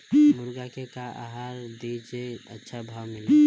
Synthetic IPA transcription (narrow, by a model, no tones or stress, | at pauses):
mʊɾɡakekaa̰ɦaɾd̪it͡ʃeətːʃʰabʱawmɪle